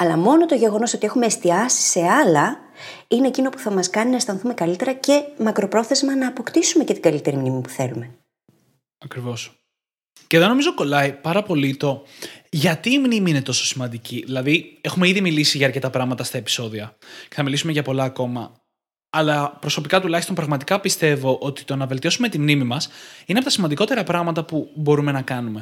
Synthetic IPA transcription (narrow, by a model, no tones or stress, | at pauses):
ɐlɐmo̞no̞t̪oʝe̞ɣo̞no̞so̞t̪ie̞xume̞ːst̪iɐsi̥se̞ɐlɐ | ine̞ːcino̞pu̥θɐmɐskɐninɐst̪ɐnθume̞kɐlit̪e̞ɾɐce̞mɐkɾo̞pɾo̞θe̞zmɐnɐːpo̞kt̪isume̞ce̞t̪iɡɐlit̪e̞ɾimnimipu̥θe̞̰lume̞ | ɐkɾivo̞s | ce̞ðo̞no̞mizo̞ko̞lɐipɐɾɐpo̞lit̪o̞ʝɐt̪iːmnimiine̞t̪o̞so̞̥simɐnd̪iciðilɐðie̞xume̞iðimilisiʝɐːɾce̞t̪ɐpɾɐɣmɐt̪ɐst̪ɐepi̥so̞ðiɐce̞θɐmilisumeʝɐpo̞lɐːko̞mɐː | lɐpɾo̞so̞pikɐt̪ulɐçist̪o̞npɾɐɣmɐt̪ikɐpist̪e̞vo̞ʔo̞t̪i̥t̪o̞nɐvelt̪io̞sume̞t̪imnimimɐsinepot̪ɐsimɐnd̪iko̞t̪e̞ɾɐpɾɐɣmɐt̪ɐpubo̞ɾume̞nɐkɐnume̞